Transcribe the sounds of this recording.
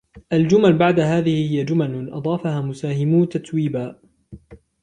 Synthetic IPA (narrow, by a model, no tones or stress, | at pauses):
ʔald͡ʒʊmalbaʕd̪aɦaːðɪhɪhɪjːad͡ʒʊmalɪnʔɑ̰d̪ˤɑːfahaːmʊsaːhɪmut̪at̪wiːbaː